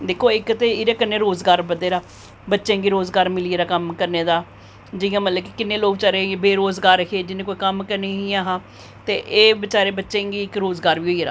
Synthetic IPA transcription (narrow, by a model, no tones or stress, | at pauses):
d̪eːkʰoːɪkt̪eːɪɾeːkənːẽːɾoːzɡaːɾbəd̪eːɾaː | bətːʃẽːŋɡiːɾoːzɡaːɾmɪlieːɾaːkəmkəɾneːd̪aː | d͡ʒɪjãːmət̪ləbkikɪnːẽːloːɡʋɪt͡ʃaːɾebeːɾoːzɡaːɾəkʰeːd͡ʒɪnẽːkoːiːkəmkəɾneːɦiːaːɦãː | t̪eːʔeːbɪt͡ʃaːɾeːbətːʃẽːŋɡiːɪkɾoːzɡaːɾʋiːɦoːiːɾa̰ː